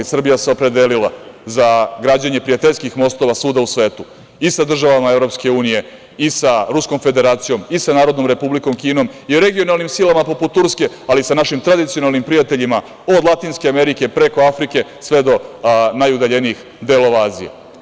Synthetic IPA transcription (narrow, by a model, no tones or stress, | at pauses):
isr̩bijaseopɾe̞d̪elilazaɡɾaːd͡ʑeɲe̞pɾijat̪eʎʲskixmo̞st̪o̞ʋasuːd̪ausʋe̞ːt̪u | isad̪r̩ʒaʋamaevɾo̞pske̞uːnije̞ | isaɾusko̞mfe̞d̪e̞ɾaːt̪sijomisanaːɾo̞d̪no̞mɾe̞publiko̞mkiːno̞mioɾe̞ɡionalˠnimsilamapo̞put̪ːuɾske̞ | alisanaʃimt̪ɾad̪it̪sijo̞nalˠnimpɾijat̪e̞ʎima | o̞d̪lˠat̪iːnskeame̞ɾike̞pɾe̞koafɾike̞sʋe̞d̪o̞najud̪aʎe̞niix | d̪eːlo̞ʋaaːzḭjḛ